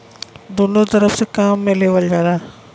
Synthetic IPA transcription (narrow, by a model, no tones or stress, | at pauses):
d̪unot̪ɐɾəfsekaːmːẽleʋəld͡ʒaːɾaː